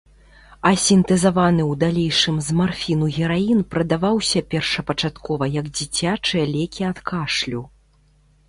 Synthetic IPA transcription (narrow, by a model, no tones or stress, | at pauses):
ɐsʲint̪ɛzavanɨwd̪alʲejʂɨmzmarfʲinuɣʲɛɾajinpɾɐd̪avawsʲɐpʲɛrʂɐpɐt͡ʂat̪kʰɔvɐjɐɡd͡zʲit͡sʲat͡ʂɨjɐlʲɛkʲiat̪kʰaʂlʲu